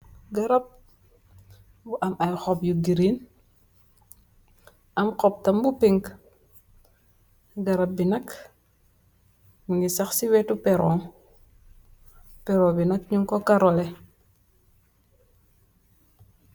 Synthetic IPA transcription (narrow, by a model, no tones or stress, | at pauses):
ɡɐɾɐp̚ | buʔɐmɐjxɔpjuɡiɾin | ʔɐmqɔp̚tɐmbupiŋk | ɡɐɾɐp̚binɐk | muŋɡisɐxsiwɛtupɛɾɔŋ | pɛɾɔbinɐkɲuŋkɔkaɾɔlɛ